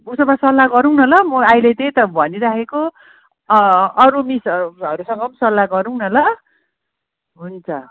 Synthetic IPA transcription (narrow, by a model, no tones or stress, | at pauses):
busʌmasʌlːaɡʌɾuwnʌlʌmʌajlet̪ʌjt̪ʌbʱʌniɾakʰeko | ʌɾumisʌɾusʌŋɡʌmsʌlːaɡʌɾuwnʌlʌ | ɦunt͡sʰʌ̰